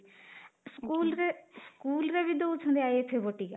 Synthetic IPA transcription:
skuːlɾeskuːlɾebid̪oːt͡ʃʰõnd̪eaːiep̪ʰeboʈika

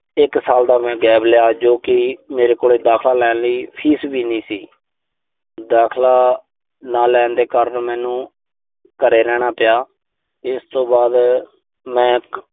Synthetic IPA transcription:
ɪksaːld̪aːmɛ̃ːɡɛːblɪjaːd͡ʒoːkɪmeːɾeːkoːleːd̪aːkʰlaːlɛːnləiːpʰiːsbiːnĩːsiː | d̪aːkʰlaː | naːlɛ̃ːnd̪eːkəɾənmɛ̃ːnũː | kəɾeːɾɛːɽ̃aːpɪjaː | ɪst̪õːbaːd̪ | mɛ̃ː

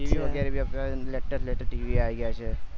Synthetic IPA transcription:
iʋiʋəɡɛɾebʱiəplaleʈəɾsleʈ̪əʈiːʋiajɡjat͡ʃe

